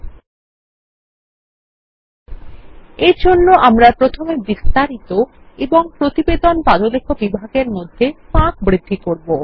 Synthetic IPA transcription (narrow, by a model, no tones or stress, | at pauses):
ed͡ʑʱonːoʔamɾapɾot̪ʰomebist̪aɾit̪o | eboŋpɾot̪ibed̪onpad̪olekʰːobibʱaɡeɾmod̪ʱːepãk̚bɾid̪ʱːikoɾbo